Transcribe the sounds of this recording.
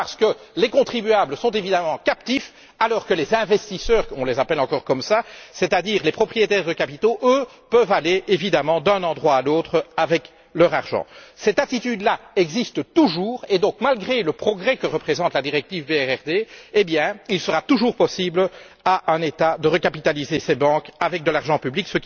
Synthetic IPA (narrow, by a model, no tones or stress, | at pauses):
paʁsə̥kəlekɔ̃t̪χibyabləsɔ̃t̪evid̪amɑ̃kap̚t̪if | alɔːʁkəlezɛ̃vɛst̪isœːʁɔ̃lezapɛlɑ̃kɔʁkɔmsasɛt̪ad̪iːʁlepχɔpχijet̪ɛːʁd̪əkapit̪oʔø | pœvaleʔevid̪amɑ̃d̪œ̃nɑ̃d̪ʁwaːloːt̪χəavɛk | lœʁaʁʒɑ̰̃sɛt̪at̪it̪yd̪laɛɡzist̪t̪uʒuːʁed̪ɔ̃ːkmalɡʁeləpχɔɡʁɛkəʁəpχezɑ̃t̪lad̪iʁɛk̚t̪ivbeɛʁɛʁd̪eːbjɛ̃ilsəʁat̪uʒuːʁpɔsibl | aʔœ̃net̪ad̪əʁəkapit̪alizesɛbɑ̃kavɛk̚d̪əlaʁʒɑ̃pybliksək